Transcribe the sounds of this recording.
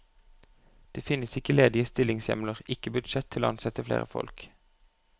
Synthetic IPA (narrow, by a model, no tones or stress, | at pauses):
d̪̥eːfɪnəsɪkəleːd̪ɪəst̪ɪlɪŋsjɛ̰mləʁɪkəbʉd̪ʃɛt̪ʰːɪloːɑnsɛt̪əflḛːʁə̰fɔ̰lk